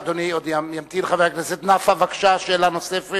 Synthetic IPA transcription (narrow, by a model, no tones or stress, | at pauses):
d̪oniod̪jamjamt̪ilχavejakleset̪nafavakʃaʃeːlanosefe